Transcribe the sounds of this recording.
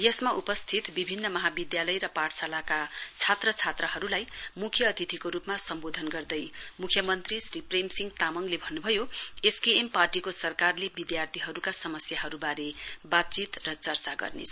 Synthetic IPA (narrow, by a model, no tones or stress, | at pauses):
jʌsmaʔupʌst̪ʰit̪bibʱinːʌmʌɦabid̪jalʌjɾʌpaʈʰsalakat͡sʰat̪rʌt͡sʰat̪rʌɦʌɾulajmukʰjʌːt̪it̪ʰikoɾupmasʌmbod̪ʱʌnɡʌrd̪ʌjmukʰjʌmʌnt̪risripremsiŋɡt̪amʌŋlebʱʌnːubʱʌjoeskeemparʈikosʌrkarlebid̪jart̪ʰiɦʌɾukasʌmʌsjaɦʌɾubaɾebat̪̚t͡sit̪rʌt͡sʌrt͡saɡʌ̰rnḛsʰ